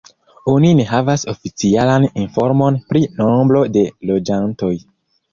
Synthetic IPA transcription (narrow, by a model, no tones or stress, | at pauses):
onine̞ɦavasofit͡sialaninfoɾmo̞npɾinombɾo̞de̞lo̞d͡ʒanto̞j